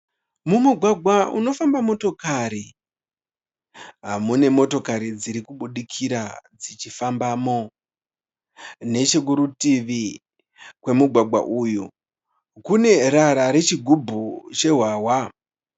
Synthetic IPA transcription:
mumuɡʱwaɡʱwaṵno̞fambamo̞to̞kaɾi | ɦamune̞mo̞to̞kaɾid͡ziɾikuɓuɗikʰiɾad͡zit͡ʃifambamo̞ | ne̞t͡ʃe̞k̬uɾutiʋi | kwe̞muɡʱwaɡʱwa̰ʔuju | kune̞raɾaɾe̞t͡ʃiɡʱubʱut͡ʃe̞ɦwaːwa

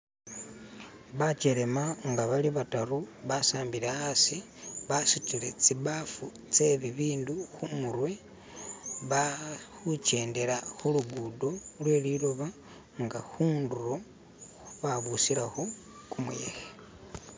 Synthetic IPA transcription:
βat͡ʃe̞ɾe̞maŋɡaβaliβataɾuβasaːmbiɾeasi | βasutiɾe̞t͡siβafu | t͡seβiβiːnduxumuɾwe̞ | βaxut͡ʃe̞ːnde̞ɾaxuluɡudo̞lwe̞liɾoβa | ŋɡaxuːnduɾo̞ | xuβaβusiɾaxo | kumuje̞̰xe

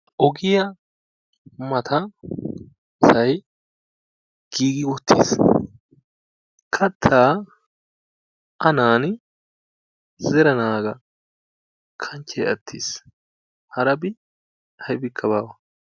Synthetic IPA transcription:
ʔɔɡɪjɐ | mɐt̪ʰɐ | sɐj | ɡ̥iːɡɪwɔt̪ʰːḭːs | kʰɐt̪ʰːaː | ʔɐnaːn | zɛɾɐnaːɡɐ | kʰɐɲt͡ʃːɛjɐt̪ʰːiːs | hɐɾɐbɪ | hɐjbɪkʰːɐbaːwɐ

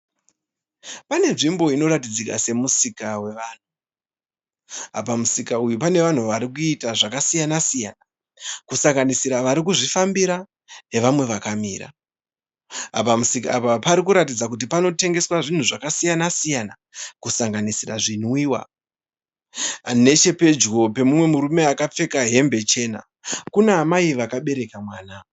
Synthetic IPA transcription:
pane̞nʐimbo̞ino̞ɾatid͡zika̰se̞musikawe̞ʋaːn̤u | ɦa̰pamusikaujupane̞ʋan̤uʋaɾikuitaʐakasijanasijana | kusaŋɡanisiɾaʋaɾik̬uʐifambiɾa | ne̞ʋamwe̞ʋakamiːɾa̰ | pamusikaapapaɾikuɾatid͡zak̬ut̬ipano̞te̞ŋɡe̞swaʐin̤uʐakasijanasijana | kusaŋɡanisiraʐinwiwa̰ | ne̞t͡ʃe̞pe̞d͡ʒɡo̞pe̞mumwe̞muɾume̞akap͡fe̞kaɦe̞mbe̞t͡ʃe̞ːna̰ | kuneamaiʋakaɓe̞ɾe̞kamwaːna

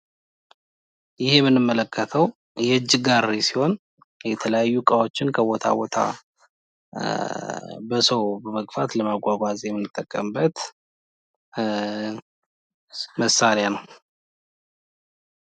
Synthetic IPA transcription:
jɪhemɨnːɨmːələkʰːət̪ʰəw | jɛɨd͡ʒːɪɡaɾesiho̞n | jɛt̪ʰələjajːukʼawo̞t͡ʃːɪnkʰəbo̞t̪ʰa̰bot̪ʰa̰ | bəsəwbəməkʼfat̪ləmaɡʷaɡʷazjɛmːɨnːɨt̪ʼːəkʼːəmbət̪ | məsːaɾjanəw

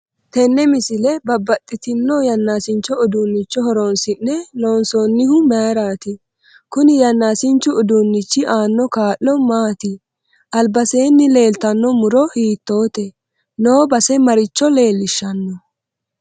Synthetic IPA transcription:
t̪ɛnːɛmɪsɪlɛbɐbːɐt̪ʼːɪt̪ɪnːɔjɐnːaːsɪnt͡ʃːɔʊd̪unːɪt͡ʃːɔhɔɾonsɪnːɛloːnsoːnːɪhʊmaːɾaːt̪ɪ | kʊnɪjɐnːaːsɪnt͡ʃːʊʊd̪unːɪt͡ʃːɪʔaːnːɔkaːʔːɔmaːt̪ɪ | ʔɐlbɐse̞ːnːɪle̞ːlt̪ɐnːɔmʊɾɔhiːt̪ːo̞ːt̪ɛ | no̞ːbɐsɛmɐɾɪt͡ʃːɔle̞ːlːɪʃːɐnːɔ

